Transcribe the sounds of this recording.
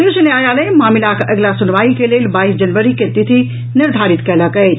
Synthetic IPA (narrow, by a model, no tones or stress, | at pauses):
uːʃəneaːjaːlɐjmaːmɪlakɐɡlasʊnʋaːikeleːlbaːiːsd͡ʒɐnʋəɾiket̪ɪt̪ʰi | nɪɾd̪ʱaːɾɪt̪kɐlakɐe